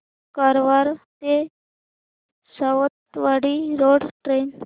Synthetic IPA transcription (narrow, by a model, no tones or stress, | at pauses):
kaɾoʋaɾt̪e | saʋət̪ʋaɽiɾoɽʈɾen